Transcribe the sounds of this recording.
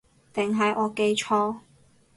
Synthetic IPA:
t̪ɪ˨˩ŋɦɐ˨jʔɔː˨˧ke˧jt͡ʃʰɔː˧˥

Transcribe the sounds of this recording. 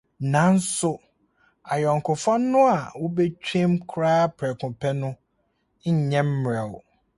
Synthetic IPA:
nã˨˦n̩˦sʊ˨ | a˨jɔ˨ŋ˨kʰʊ˨fã˦nː˦ʊ̃˦a˨wʊ˦be˦t͡ɕᶣi˦mkʰɾaː˦pʰɾɛ˨kʰʊ̃˨pʰɛ˦nʊ̃˦ | ɲ̩˨ɲɛ̃˦m̩˦m˨ɾɛ˨w

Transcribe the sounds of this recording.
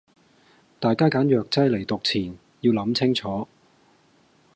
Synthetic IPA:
t̪aː˨˩jkaː˥kaː˨˥njœː˨k̚t͡sɐ˥jle˨˩jt̪ʊ˨k̚t͡sʰiː˨˩n | jiː˧wlɐ˨˧˥mt͡sʰɪ˥ŋt͡sʰɔː˨˥

